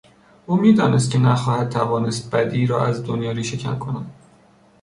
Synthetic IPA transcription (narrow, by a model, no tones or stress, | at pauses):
ʔuːmiːd̪ɒːnʔes̬t̪̚cʲʰenæxɒːhæd̪̚t̪ʰævɒːne̞st̪̚bæd̪iːɾɒ̰ːæzd̪onjɒːɾiːʃe̞cʰæ̰nkʰo̞næd̪̥